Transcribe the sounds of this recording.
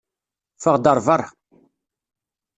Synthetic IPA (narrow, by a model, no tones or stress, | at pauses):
fəʁd̪əɾˤvəɾˤ